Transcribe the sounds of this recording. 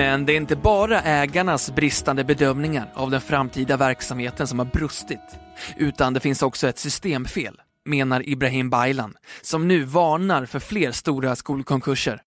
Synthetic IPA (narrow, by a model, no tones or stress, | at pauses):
mɛnd̪ɛæɾɪnt̪əbɑːɾaʔɛːɡaɳasbɾɪst̪and̪əbɛd̪œmnɪŋaɾa̰vd̪ɛnfɾamːt̪ʰiːd̪avæɾksamheːt̪ənsɔmhaɾbɾɵst̪ɪt̪ʔʉ̟ːt̪and̪ɛfɪnsɔksɔɛt̪sʏst̪eːmfeːl | meːnaɾʔɪbɾaɦiːmbajland̪sɔmnʉ̟ːvɑːɳaɾfœɾfleːɾst̪uːɾaskuːlkʰɔŋkʰɵʂə̰ɾ